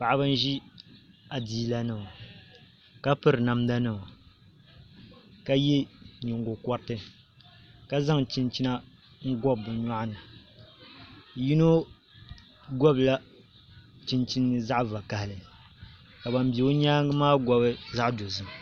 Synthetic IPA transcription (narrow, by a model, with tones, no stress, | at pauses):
pa˨ʔbɨ˦n˦ʒi˦ | a˨diː˦la˦nɨ˨ma˨ | ka˦pɨ˦ɾɨ˨na˨mda˦nɨ˦˨ma˨ | ka˦je˦ɲu˨ŋɡo˨kɔ˦ɾtɨ˦ | ka˦za˦ŋt͡ʃi˦nt͡ʃi˦na˦ | ŋ̩˦ɡɔ˦bːɨ˨ɲa˦ʔa˦nɨ˨ | ji˦no˦ | ɡɔ˦bɨ˨la˦ | t͡ʃi˦nt͡ʃi˦nː˦ɨ˦za˦ʔva˨ka˨hɪ˨lɨ˨ | ka˨ba˨m˦bi˨o˦ɲaː˦ŋɨ˦maː˦ɡɔ˦bɨ˦za˦ʔdo˨zɨ˦˨m˨